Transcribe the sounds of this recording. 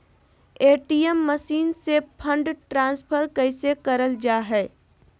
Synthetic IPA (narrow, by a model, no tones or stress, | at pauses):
eːʈiːjɛmːəʃiːnsepʰə̃ɳɖʈɾãːnspʰəɾkəɪsekɐɾəld͡ʒaːɦɛː